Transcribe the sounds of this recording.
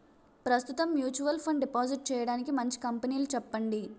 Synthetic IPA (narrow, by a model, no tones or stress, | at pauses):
pɾɐst̪ut̪ɐmːjuːt͡ʃuʋɐlpʰɐɳɖɖipaːd͡ʒiʈ̚t͡ʃɛːjɐɽaːnikimɐɲt͡ʃi̥kɐmpɐniːlut͡ʃɛpːɐɳɖi